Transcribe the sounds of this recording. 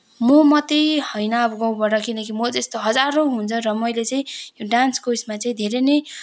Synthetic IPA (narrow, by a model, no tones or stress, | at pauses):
momʌt̪ihʌjnʌːbʌɡʌ̃w̃baʈʌkinʌkimod͡zest̪oɦʌd͡zaɾoɦunt͡sʰʌrʌmʌjlet͡sʌĩjoɖanskosmat͡sʌĩd̪ʱeɾene